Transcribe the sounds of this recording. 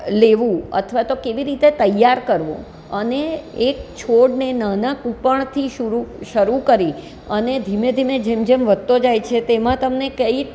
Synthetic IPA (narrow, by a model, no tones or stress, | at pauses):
leʋũə̰t̪ʰʋat̪okeʋiɾit̪et̪əjːaɾkəɾʋõ̰ | əneːk̚t͡ʃʰoɽnenanãkupəɳ̃t̪ʰiʃuɾuʃəɾukəɾi | əned̪ʱimed̪ʱimed͡ʒemd͡ʒemʋəd̪̚t̪od͡ʒajt͡ʃʰet̪emãt̪əmnekəi